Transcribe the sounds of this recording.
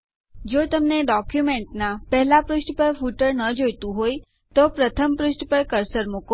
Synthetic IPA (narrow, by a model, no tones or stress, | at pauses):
d͡ʒot̪əmneɖɔkjumeɳʈnapɛɦlapɾʊʃʈpəɾfuʈəɾnəd͡ʒojt̪ũɦoj | t̪opɾət̪ʰəmpɾʊʃʈpəɾkəɾsəɾmuko